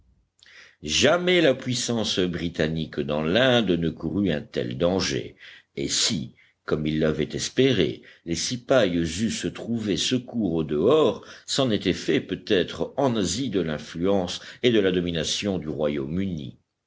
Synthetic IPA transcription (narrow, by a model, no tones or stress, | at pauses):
ʒamɛlapɥisɑ̃sbʁit̪anikd̪ɑ̃lɛ̃d̪nəkuʁyɛ̃t̪ɛ̰ld̪ɑ̃ʒḛesi | kɔmilːavɛt̪ɛspeʁḛlesipajzysət̪χuvesəkuʁod̪əɔʁsɑ̃net̪ɛfɛpøt̪ɛt̪χɑ̃nazid̪əlɛ̃flyɑ̃sed̪əlad̪ɔminasjɔ̃d̪yʁwajomynḭ